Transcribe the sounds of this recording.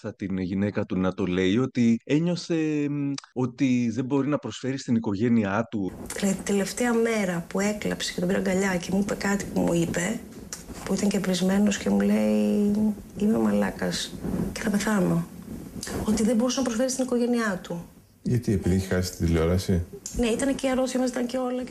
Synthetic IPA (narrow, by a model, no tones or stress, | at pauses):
θɐt̪inʝine̞kɐt̪unɐt̪o̞le̞jo̞t̪ie̞ɲo̞se̞ | o̞t̪iðe̞bo̞ɾinɐpɾo̞sfe̞ɾist̪iniko̞ʝe̞niɐt̪uleit̪t̪e̞le̞ft̪e̞ɐme̞ɾɐpue̞klɐ̰pse̥cet̪obiɾɐŋɡɐʎɐce̞muipe̞kɐt̪i̥pumṵipe̞ | puit̪ɐɲcepɾizme̞no̞sce̞mule̞i | imemɐlɐ̰kɐsce̞θɐpe̞θɐno̞ | o̞t̪iðe̞bo̞ɾusenɐpɾosfe̞ɾist̪iniko̞ʝe̞niɐt̪u | ʝɐt̪iepiðiçixɐsi̥st̪id̪ilo̞ɾɐsine̞it̪ɐneciɐɾoθiomɐzit̪ɐɲce̞o̞lɐ